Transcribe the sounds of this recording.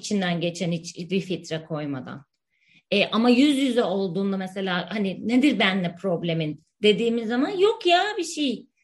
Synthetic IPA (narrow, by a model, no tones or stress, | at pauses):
t͡ʃʰind̪ænɟe̞t͡ʃʰænit͡ʃbifit̪ɾakʰo̞jma̰d̪a̰n | ɛʔamajyzjyzɛo̞lˠd̪uːnd̪amese̞lʲaːhanine̞d̪iɾbænlɛpʰɾo̞blʲe̞min | d̪̥e̞d̪iːmizːamanjo̞kjaːbiʃej